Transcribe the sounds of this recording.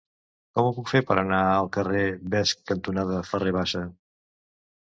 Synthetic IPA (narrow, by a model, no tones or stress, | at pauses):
kɔmupukfeɾpəɾənaəlˠkəreβɛskːənt̪unaðəfəreβ̞aʃə